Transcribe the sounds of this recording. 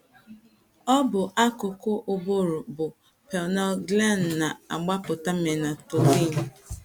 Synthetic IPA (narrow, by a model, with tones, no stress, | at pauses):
ɔ˦bʊ˨ʔa˦kʊ˨kʊ˦ʔʊ˨bo˦ɾʊ˨bʊ˨ | pɛ˨nɔ˦lɡla˦˨n˨na˨a̰˨ɡ͡ba˦pʊ˨ta˦me˨na˨tʊ˨ti˦˨ɲ̩˦˨